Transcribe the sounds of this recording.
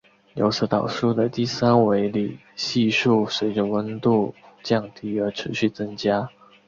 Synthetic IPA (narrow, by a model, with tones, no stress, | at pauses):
jo̰˧˥ʊsɤ˧˥t̪ɑ˨˩ʊʂu˥˩d̪ə˨t̪i˥˩sa˥nwe˧˥ɪli˨˩ | ɕi˥˧ʂu˥˩swe˧˥ɪʈ͡ʂə˨wə˥nt̪u˥˩ | t͡ɕjɑ˥˩ŋt̪ʰi˧˥˩ə˞˧˥ʈ͡ʂʰɻ̩˧˥ɕy˥˩t͡sə˥ŋt͡ɕja˥